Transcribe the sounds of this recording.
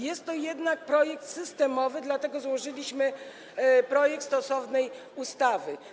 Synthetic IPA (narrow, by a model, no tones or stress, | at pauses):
jɛst̪ːɔjɛd̪nak̚pɾɔjɛkt̪sɘst̪ɛmɔvɘd̪lat̪ɛɡɔzwɔʐɘlʲiɕmɘ | pɾɔjɛk̚t̪st̪ɔsɔvnɛj | ust̪avɘ